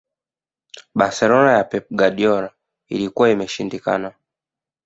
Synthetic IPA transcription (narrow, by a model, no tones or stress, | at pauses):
ɓasɛlɔnajapɛp̚ɡaɗiɔɾa | ilikuwaimɛʃindika̰na